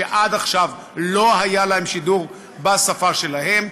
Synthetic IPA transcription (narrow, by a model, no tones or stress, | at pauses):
eʔad̪aχʃav | lo̞ɦajalaemʃid̪uʁ | basafaʃe̞laɦe̞m